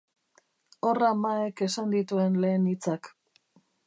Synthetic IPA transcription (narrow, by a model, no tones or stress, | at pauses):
o̞ramaeke̞sand̪it̪ue̞nle̞ːnit͡sak